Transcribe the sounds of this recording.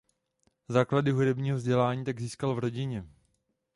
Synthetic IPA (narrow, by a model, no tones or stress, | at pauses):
zaːkladɪɦudɛbɲiːɦovzɟɛlaːɲiːt̪aɡziːskalvɾo̞ɟɪɲɛ